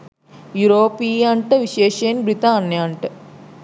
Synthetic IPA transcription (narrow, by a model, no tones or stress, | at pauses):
juɾoːpijaɳʈɨʋiɕeːʂeːnbɾit̪aːɳjaːɳʈɨ